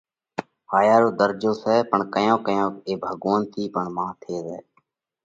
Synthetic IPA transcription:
haːjaːɾoːd̪əɾd͡ʒoːsɛːpəɳkəjõːkəjõːkeːbʱəɡʋaːnt̪ʰiːpəɳmãːt̪ʰeːzɛ̰ː

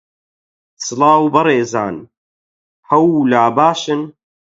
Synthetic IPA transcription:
sɨlaːwbɐɾeːza̰ːn | hɐwlaːbaːʃɨn

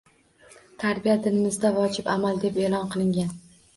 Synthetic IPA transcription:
t̪ʰaɾbijad̪ɪnɪmɪzd̪avɒt͡ʃʰɪpamald̪e̞pelɒnqʰɨlˠɪŋɡʲan

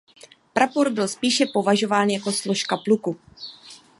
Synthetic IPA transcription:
pɾapoɾbɪlspiːʃɛpo̞vaʒo̞vaːnjako̞slo̞ʃkapluku

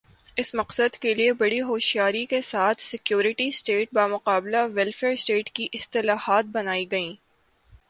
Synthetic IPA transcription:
ɪsmɐqsəd̪keliebɐɽiɦoːʃijaːɾikesaːt̪ʰsɪkjoːɾɪʈisʈeːʈ̚baːmʊqaːblaʋɛlfeːɾsʈeːʈkiʔɪst̪ɪlaːhaːt̪̚bɐnaːiɡɐĩː

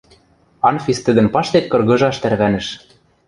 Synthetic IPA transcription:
ɑnfʲist̪ɘ̆d̪ɘ̆npɑʃt̪et̪̚kɤ̆rɣɤ̆ʒɑʃt̪æɾβænɘ̆ʃ

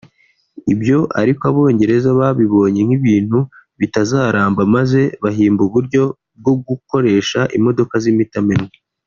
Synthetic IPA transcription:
ibjo̞ʔa̰ɾikaβo̞ːɲɟe̞ɾe̞zaβaβiβo̞ːɲe̞ŋ̥hiβiːn̥huβitazaːɾaːmbamaze̞βaɦiːmbuβuɾɟo̞ | b̚ɡo̞ɡuko̞ɾe̞ːʃaʔimo̞do̞kazimitamenŋe

